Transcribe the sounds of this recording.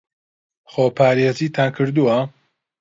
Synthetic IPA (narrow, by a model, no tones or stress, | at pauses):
χoːpʰaːɾjɛtiːt̪ʰaːnkʰɨɾd̪uwɐ